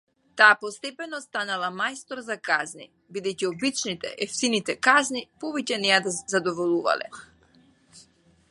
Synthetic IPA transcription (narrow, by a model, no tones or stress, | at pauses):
t̪aːpɔst̪ɛpɛnɔst̪analˠamajst̪ɔɾzakaznḭ | bid̪ɛjciɔbit͡ʃnit̪ɛ̰ʔɛft̪init̪ɛkaznipɔvɛcɛnɛad̪azad̪ɔvɔlˠuva̰lɛ̰